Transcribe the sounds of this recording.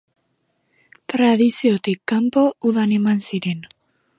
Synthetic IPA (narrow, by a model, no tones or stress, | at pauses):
t̪ɾað̞isiot̪ikːampo̞uðane̞mansiɾe̞n